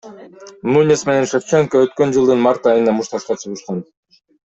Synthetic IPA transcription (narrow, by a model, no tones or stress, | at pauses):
nunʲisme̞ne̞nʃeft͡ʃeŋkoøt̪kø̞nd͡ʒɯlˠd̪ɯnmɑɾt̪ɑjɯnɑmuʃt̪ɑʃqɑt͡ʃʰɯʁɯʃqɑn